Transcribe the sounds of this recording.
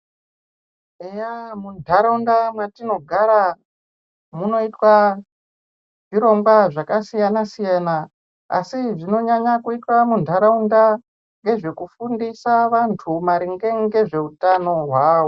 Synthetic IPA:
ejamundʱaɾaundamwatino̞ɡʱaɾa | muno̞itwa | ʐiɾo̞ŋɡwaʐakasijanasijana | a̰siʐino̞ɲaɲakuitwamundʱaɾaunda | ŋɡe̞ʐe̞kufundisaʋantʰumaɾiŋɡe̞ŋɡe̞ʐe̞utano̞ɦwaːwo

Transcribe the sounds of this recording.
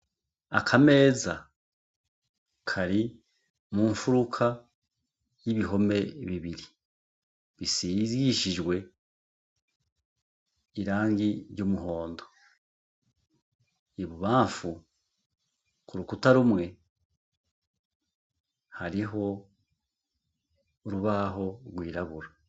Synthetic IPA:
a̰kʰame̞ːza | kʰaɾi | muːɱfuɾukʰa | jiβiɦo̞me̞βiβiɾi | βisizɡiʃiʒwe̞ | iɾaːŋɡiɾɟumuɦo̞ːndo̞ | iβuβaːɱfu | kuɾukutaɾumŋe̞ | haɾiɦo̞ | ɾuβaɦo̞ɡwiːɾaβuɾa

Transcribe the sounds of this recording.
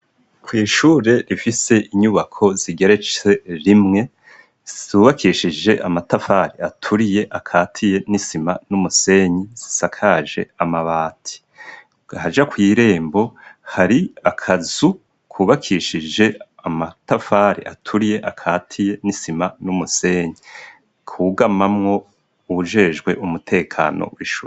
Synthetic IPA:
kwiːʃuːɾe̞ɾifise̞ʔiɲuβakʰo̞z̥iɡe̞ɾe̞t͡ʃe̞ɾimŋe̞ | z̥uːβakʰiʃid͡ʒe̞ʔamatafaːɾiatʰuɾije̞ʔakʰaːtʰije̞nisimanumuse̞ɲiz̥i̥sakʰaːʒe̞̰amaβaːtʰi̥ | had͡ʒakwiːɾe̞ːmbo̞haɾiakʰazu | kʰuβakʰiːʃid͡ʒe̞amatafaɾḭʔa̰tʰuɾije̞ʔakʰaːtʰije̞nisimanumuse̞ɲi | kʰuɡamamŋo̞ | uβuʒe̞ːʒɡwe̞ʔumutʰe̞ːkʰa̰ːno̰wiʃṵe

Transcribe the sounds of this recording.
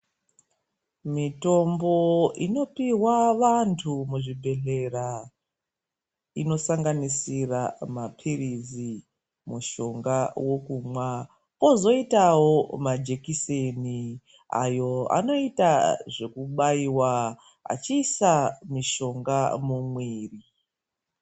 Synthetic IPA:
mito̞mbo̞ino̞piwaʋantʰumuʐibʱe̞ɮe̞ra | ino̞saŋɡanisiramapʰirizi | muʃo̞ŋɡawo̞kumwa | o̞zo̞itawo̞mad͡ʒe̞kiseni | a̰jo̞a̰no̞itaʐe̞kuɓaiwa | a̰t͡ʃiːsamiʃo̞ŋɡamumwiːri

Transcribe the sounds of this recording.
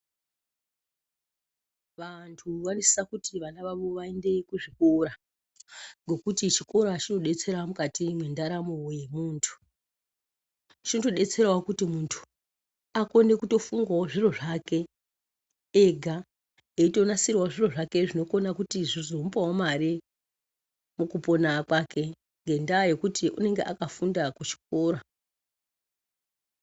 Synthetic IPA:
ʋantʰuwanisi̥sakutiʋanaʋaʋo̞ʋae̞nde̞kuʐikoɾa | ŋɡo̞kutit͡ʃiko̞ɾat͡ʃino̞ɗe̞t͡se̞ɾamukatimwendaɾamowje̞muːntʰu̥ | t͡ʃino̞to̞ɗe̞t͡se̞ɾawakutimuntʰu̥ | ako̞ne̞kuto̞fuŋɡwaoʐiro̞ʐake̞ | eɡʱa | eito̞nasirwaʐiro̞ʐake̞ʐino̞ko̞nakutiʐizomupawomaɾi | mukupo̞nakwake̞ | ŋɡe̞ndaje̞kutiʔṵne̞ŋɡeʔakafundakut͡ʃi̥k̚oːɾa

